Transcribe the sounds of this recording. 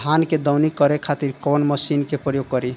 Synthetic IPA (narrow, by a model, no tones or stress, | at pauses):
anked̪ɔwnikʌɾekʰat̪iɾkɔnməsinkepɾəjoɡ̚kʌɾi